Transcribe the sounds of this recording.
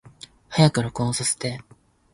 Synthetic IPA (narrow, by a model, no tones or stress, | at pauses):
hajakɯ̟ɾokõːsase̥t̪e̞